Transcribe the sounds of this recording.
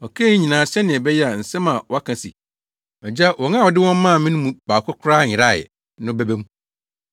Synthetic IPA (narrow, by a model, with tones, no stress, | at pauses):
ɔ˨kʰe˦i˦ɲĩ˨nãː˨ɕɛ˦nɪ̃˨ɛ˨bɛ˦jɛ˦a˨n̩˨sɛ̃˦mã˨wɔ˦a˦kʰã˨sḭ˨ | ɛ˨d͡ʑa˦wɔ̃˨ŋ˦ã˦wɔ˨dɪ˦wɔ̃˦mː˦ã˦˨mĩ˦nũ˦mũ˨baː˨kʰʷʊ˦kʰʊ˦ɾaː˦˨ɪ˨ɾa̰˦˨ | nʊ̃˦bɛ˦be˦mũ˦